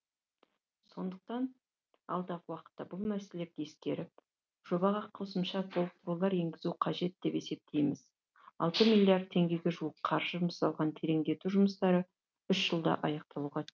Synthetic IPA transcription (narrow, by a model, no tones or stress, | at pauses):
so̞nd̪əq̚t̪ɑn | ɑlˠd̪ɑʁəwɑqə̥t̪ːɑbʊlˠmæse̞le̞ɾd̪ɪeskʲe̞ɾɪp̚ | ʒ̥o̞bɑʁɑqʰo̞səmʃɑsolˠt̪ɾolˠɑɾe̞ŋɡʲɪzuqʰɑʒe̞t̪̚d̪̥e̞pe̞se̞p̚t̪ʰe̞jmɪz | ɑ̰lˠt̪əmilʲːjiard̪̚t̪ʰːe̞ŋɡʲe̞ɡʲe̞ʒuwəqqʰɑɾʒ̥əʒʊməsɑlˠʁɑnt̪ʰeɾe̞ŋd̪e̞t̪uʒʊməst̪ɑɾə | ʏʃʒ̥əlˠd̪ɑ̰ʔɑjɑq̚t̪ɑlˠuwʁɑ